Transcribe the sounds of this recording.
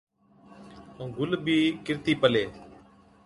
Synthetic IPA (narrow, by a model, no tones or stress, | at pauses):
ũːɡʊlbiːkɪɾt̪iːpəleː